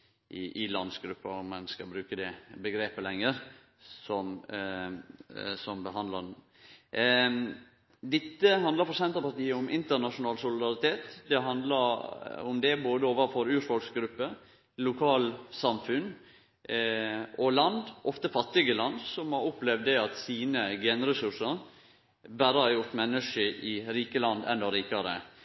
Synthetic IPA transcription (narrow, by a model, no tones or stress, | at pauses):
ʔɪʔɪlɑnd̪sɡɾʉpːɑɾɔmːɛnskɑbɾʉːkəd̪ɛbəɡɾeːpəlɛŋːəɾ | sɔm | sɔmbəɦɑnd̪lɑ | d̪ɪt̪ːəɦɑnd̪ləpʰɔɾsɛnt̪ɑpɑɾt̪iːəʊmʔɪnt̪əɾnɑʂʊnɑːlsʊlɪd̪ɑɾɪt̪ʰeːt̪d̪ɛɦɑnd̪ləɾʊmd̪ɛboːd̪əoːʋəfɔɾʉːfɔlksɡɾʉpːə | lʊkʰɑːlsɑmfʉn | ɔlɑnd̪ʔɔft̪əfɑt̪ːɪɡəlɑnd̪sɔmhɑɾʊplɛʋd̪ɛɑt̪siːnəɡɛːnɾɛsʉʂəɾ | bæːɾəhɑɾjʊɾʈ̪mɛnːəʂəʔɪɾiːkəlɑnd̪ɛ̰nd̪ɔɾiːkɑɾə̰